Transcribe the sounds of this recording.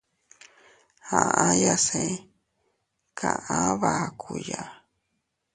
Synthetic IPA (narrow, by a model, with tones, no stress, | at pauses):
hã˨ã˦ja˧sẽ˧˨ | kʰa˨ʔã˦βa˨kʰu˨ja˨